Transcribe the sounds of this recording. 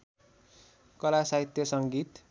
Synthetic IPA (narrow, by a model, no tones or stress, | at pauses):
kʌlasaɦit̪jʌsʌŋɡit̪